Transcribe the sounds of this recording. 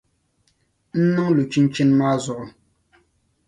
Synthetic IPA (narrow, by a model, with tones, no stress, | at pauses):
n̩˦nʊ˦ŋ˦lu˨t͡ʃi˦n̩˦t͡ʃi˦n̩˦ma˦zʊ˨ɾʊ˦